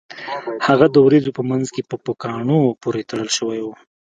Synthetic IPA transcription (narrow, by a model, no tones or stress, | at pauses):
haɣad̪əwɾezopəmanzkepəpəkɑɳopoɾet̪aɽəlʃəwajwu